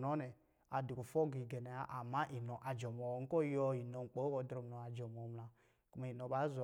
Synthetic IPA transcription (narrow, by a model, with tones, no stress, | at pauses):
nɔ˦nɛ˨ | a˨du˨ku˨fɔ˦ɡi˨ɡɛ˨ne˨a˦ʔa˨ma˦ʔi˨nɔ˨ʔa˨d͡ʒɔ˨mɔ˨˦ŋ̩˦kɔ˦jɔ˦i˨no˨ŋ͡m̩˨k͡po˨˦ko˨˦dɾɔ˨m˨nɔ˨a˨d͡ʒɔ˨m˨ɔ˨˦mla˨ | ku˨ma˨i˨no˨ba˨˦z